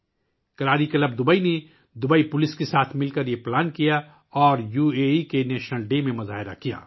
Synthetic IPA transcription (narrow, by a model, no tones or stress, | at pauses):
kɐɾaːɾikɐləb̚d̪ʊbəine | d̪ʊbəipʊlɪskesaːt̪ʰmɪlkɐɾjeplaːnkija | ɔːɾjuːeikeneːʃnəlɖemẽmɐzaːɦɪɾa̰kija̰ː